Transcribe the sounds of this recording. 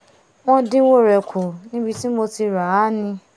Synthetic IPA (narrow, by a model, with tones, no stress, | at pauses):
wɔ̃˦dɪ̃˦wo˦˨ɾɛ˨kʰʊ˨nĩ˦bi˧ti˦m̩˦mo˧ti˧ɾa˨a˦nĩ˧